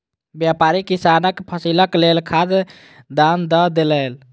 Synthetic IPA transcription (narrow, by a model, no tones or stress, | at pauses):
bjapaɾikisanəkpʰəsiləklelkʰad̪ | d̪and̪əd̪eləl